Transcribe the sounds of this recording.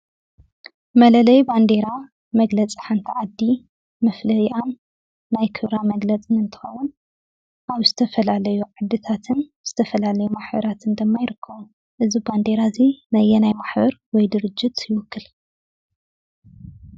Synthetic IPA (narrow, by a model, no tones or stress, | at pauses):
mɐlɐlɐjband̪e̞ɾa | mɐɡlɐt͡sʼi̥ħant̪ʰiʕad̪ːi | mɐflɐjiʔanː | ajkʰɨβɾamɐɡlɐt͡sʼɨnɨnt̪ʰɨ̥xɐ̰wun | ʔaβzɨt̪ʰɐfɐlalɐjuʕɨd̪ːɨt̪ʰat̪ʰɨnz̥ɨt̪ʰɐfɐlalɐjumaħbɐ̰ɾat̪ʰɨnd̪ɨmːajɪɾɨkʰːɐβu | ʔɨziband̪e̞ɾazinɐjːɛnajmaħbɐɾwɔjd̪ɨɾɨd͡ʒːɪt̪jɪwʊkʰːɨl